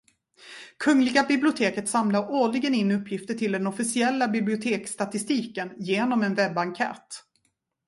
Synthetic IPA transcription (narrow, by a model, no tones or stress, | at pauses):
kʰɵŋːlɪɡabɪblɪʊt̪ʰeːkət̪samlaɾoːɭɪɡənɪnːɵpʰːjɪft̪əʈʰɪld̪ɛnɔfɪsɪɛlːabɪblɪʊt̪ʰeːkst̪at̪ɪst̪iːkənjeːnɔmɛnvɛbːaŋkʰɛ̰ːt̪